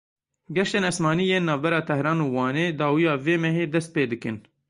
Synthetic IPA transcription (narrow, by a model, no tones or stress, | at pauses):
ɡɛʃeːnɛsmɑːniːjeːnːɑːvbɛɾɑːt̪ʰɛhɾɑːnuːwɑːneːd̪ɑːwijɑːveːmɛɦeːd̪ɛst̪̚peːd̪ɨkɨn